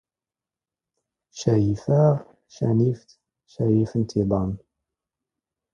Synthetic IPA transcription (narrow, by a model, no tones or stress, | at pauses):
ʃæjifəʁ | ʃæ̰nift̪ | ʃæjifənt̪ibˤɑn